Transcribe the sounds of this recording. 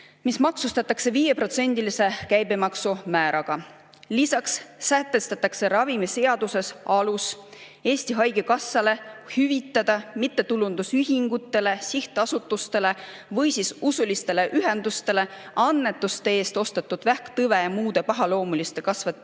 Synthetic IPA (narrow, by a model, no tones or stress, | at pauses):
mismɑksust̪ɑt̪ːˑɑkse̞viːje̞pro̞t̪se̞nʲd̪̥ilise̞kæjbemɑksumæːɾɑɡ̥ɑ | lisɑksːæt̪ːˑe̞st̪ɑt̪ːˑɑkse̞ɾɑvimise̞ɑd̪use̞sɑlus | e̞ːsʲt̪iɦɑjɡ̥ekɑsːɑle̞hyvit̪ːˑɑd̪̥ɑmit̪ːe̞t̪ulund̪̥usyɦiŋɡut̪ːˑe̞le̞siht̪ɑsut̪ːˑust̪e̞le̞ | vɤ̞jsisusulist̪e̞le̞ʔyɦe̞nd̪̥ust̪e̞le̞ɑnːe̞t̪ːˑust̪e̞e̞ːst̪o̞st̪et̪ːˑud̪̥væhkt̪ɤve̞jɑmuːd̪̥e̞pɑɦɑlo̞ːmulist̪e̞kɑsve